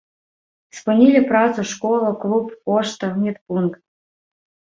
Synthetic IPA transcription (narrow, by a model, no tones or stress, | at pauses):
spɨnʲilʲɪpɾɑzuʂkolˠʊklˠupoʂt̪əmʲit̪punkt̪